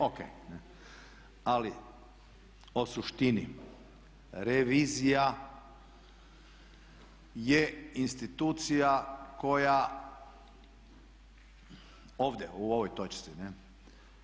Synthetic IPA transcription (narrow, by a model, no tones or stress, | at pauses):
okḛjne | ali | o̞suʃt̪ini | ɾeʋiːzija | jeinst̪it̪uːt̪sijako̞ja | oːʋd̪jḛuo̞ʋojt̪ot͡ʃḁsine